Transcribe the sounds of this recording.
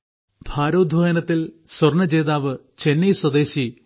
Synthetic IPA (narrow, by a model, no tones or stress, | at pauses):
bʱaːɾoːd̪ʱʋɐjɐnɐt̪ːilswɐrɳɐd͡ʑeːðaːʋɨ | t͡ɕe̞nːijswɐd̪eːɕi